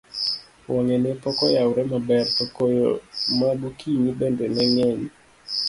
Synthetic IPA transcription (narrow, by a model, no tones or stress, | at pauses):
wʔɔŋenepɔkɔjawɾɛmabɛrtokojo̰mabukinibɛndɛmɛŋɛɲi